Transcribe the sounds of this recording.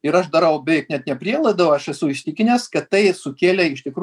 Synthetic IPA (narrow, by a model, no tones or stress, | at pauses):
ɪɾɐʃd̪ɐɾɐʊbʲɛɪknʲɛt̪nʲɛpʲɾʲiɛlˠɐɪd̪ɐʋɐʃɛsʊɪʃʲt̪ʲɪkʲɪnʲɛskɐt̪t̪ːɐɪsʊkʲeːlʲɛɪʃt̪ʲɪkɾ